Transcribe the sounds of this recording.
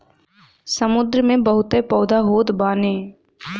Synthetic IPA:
səmʊd̪ɾəmẽbɐɦʊt̪epɔːd̪ʱaɦoːt̪baːneː

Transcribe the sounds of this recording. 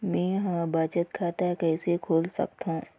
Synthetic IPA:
mɛ̃ːɦãbaːt͡ʃət̪̚kʰaːt̪aɦɛkɛːsekʰoːlsɐ̰k̚t̪ɦõː

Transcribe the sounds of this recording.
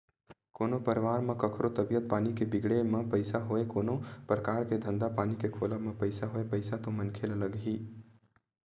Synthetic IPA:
koːnopɐɾʋaːɾmɐ̃kɐkʰɾot̪ɐbijət̪̚paːnikebɪɡɽemɐ̃pɐɪsaɦoekoːnõpɾəkaːɾked̪ʱə̃nd̪apaːnikekʰoːlamɐ̃pɐɪsaɦoːepɐɪsat̪omɐnkʰeːlɐləɡɦiː

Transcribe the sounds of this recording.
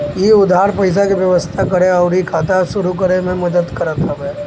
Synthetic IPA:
jiʊd̪ʱaːɾpɐɪs̬akiʋjɐʋəst̪ʰakɐɾeɔːʊɾikʰaːt̪aʃʊɾuk̬əɾemẽmɐd̪əd̪kɐɾat̪ʰabɛ

